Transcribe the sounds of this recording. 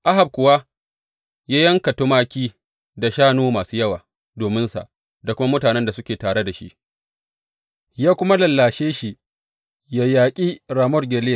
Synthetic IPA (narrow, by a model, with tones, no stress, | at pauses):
ʔa˦ɦa˨b̚kʷʊ˨wa˦ | jaː˦jɐ˦ŋka˨tʊ˦maː˦kʲiː˦ | da˨ʃaː˦noː˦maː˨suː˦jɐ˦waː˨ | doː˨mɪ˦nsa̰˨ʔ | da˨kʷʊ˦ma˦mʊ˦taː˨nɛ˦nda˨sʊ˦kʲeː˨taː˨ɽe˦da˨ʃḭ˦ʔ | jaː˦kʷʊ˦ma˦lɐ˨lːaː˨ʃeː˦ʃi˨ʔ | ja˨jaː˨kʲʼi˦ɾaː˨mɔ˦rɡʲe˨leː˦˨